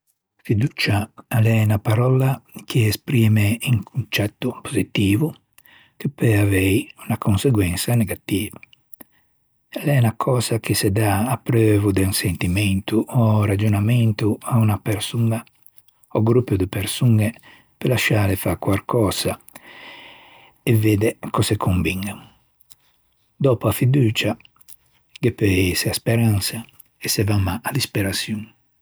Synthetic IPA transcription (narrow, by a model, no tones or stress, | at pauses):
fid̪ut͡ʃaalɛnapaɾɔlakeespɾiːmeiŋkʰunt͡ʃɛt̪ːupozit̪iːvu | kepeavɛjunakonseɡwɛnsaneɡat̪iːva | ɛlɛnakʰɔːzak̟esed̪aːpːɾøːvud̪ɛunsent̪imɛnt̪uʔɔrad͡ʒonamɛnt̪uaunapɛɾsuŋa | ɔɡɾupːjɔd̪ɪpɛɾsuŋɛ | pelaʃːaːɾɛfakwalkʰɔːza | ɛvɛːd̪ɛkɔsɛkʰoɱviŋa | d̪ɔpɔafid̪uːt͡ʃa | ɡepɛsɛaspɛɾansa | ɛsɛvamːaʔad̪ispɛɾasjun